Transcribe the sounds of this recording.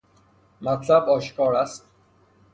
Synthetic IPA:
mæt̪ʰlæbɒːʃkʰɒːɾæst̪

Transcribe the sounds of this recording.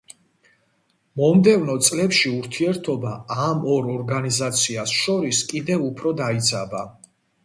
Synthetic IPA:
mɔmd̪ɛvnɔt̪sʼlɛpʃiuɾt̪ʰiɛɾt̪ʰɔbaamɔɾɔɾɡanizat̪sʰiasʃɔɾiskʼid̪ɛvupʰɾɔd̪ait̪sʰʼaba

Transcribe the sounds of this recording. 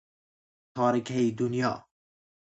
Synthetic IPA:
t̪ʰɑːɾikʰɛid̪unjɑ̰ː

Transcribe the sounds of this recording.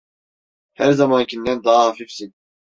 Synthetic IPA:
hæɾzamancʰind̪ænd̪aːɦafifsin

